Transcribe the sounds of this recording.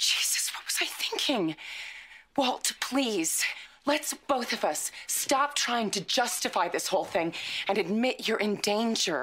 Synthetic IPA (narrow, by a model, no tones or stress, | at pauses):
d̥ʒ̥iz̥ɨ̥swʌt̚wʌz̥aɪθɪ̃ŋkʰɪ̃ŋ | wɛlˠtʰə̥pʰl̥iz̥lɨtsb̥oʊθʌvʌstɑp̚tʰɹ̥aɪɪ̃ŋtʰɨd͡ʒʌstɨfaɪðɪshoʊlˠθɪ̃ŋɨ̃nɨd̚mɪt͡ʃə˞ʔɨ̃ndẽɪ̃nd͡ʒə˞